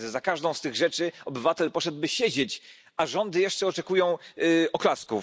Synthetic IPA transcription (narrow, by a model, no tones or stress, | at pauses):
zakaʐd̪ɔ̃w̃st̪ɘɣʐɛt͡ʂɘɔbɘvat̪ɛlpɔʂɛd̪̚bɘɕed͡ʑet͡ɕ | aʐɔnd̪ɘjɛʂt͡ʂɛɔt͡ʂɛkujɔ̃w̃ɔklasku